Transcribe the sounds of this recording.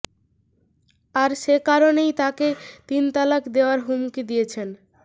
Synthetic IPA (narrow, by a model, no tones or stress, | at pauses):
aɾʃekaɾonejt̪aket̪int̪alakd̪eoaɾɦumkid̪ijet͡ɕʰen